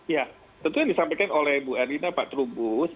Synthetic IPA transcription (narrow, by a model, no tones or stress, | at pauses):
ja | t̪ənt̪uɲadisampajkanolɛhbuaɾinapaʔt̪ɾubʊs